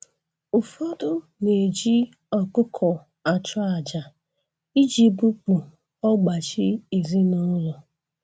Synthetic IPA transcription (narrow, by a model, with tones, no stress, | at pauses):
u˨fɔ˦dʊ˦ | ne˨d͡ʒi˦ | ɔ˨kʊ˦kʰɔ˨ | a˨t͡ʃʊ˦a˨d͡ʒa˨ | i˦d͡ʒi˦bu˦k͡pu˨ | ɔ˦ɡ͡ba˨t͡ʃi˦e˨zi˦nʊ˦lɔ˨